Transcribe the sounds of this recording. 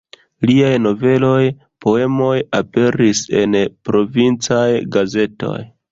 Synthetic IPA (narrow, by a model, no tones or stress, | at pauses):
liajno̞ve̞lo̞j | pʰo̞e̞mo̞jape̞ɾise̞npɾo̞vint͡sajɡaze̞to̞̰j